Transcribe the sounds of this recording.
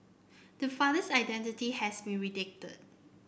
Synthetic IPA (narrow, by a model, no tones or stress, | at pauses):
d̥əfadəsaɪdɛ̃ntitihɛsbĩnɹidɪk̚tə̰d̚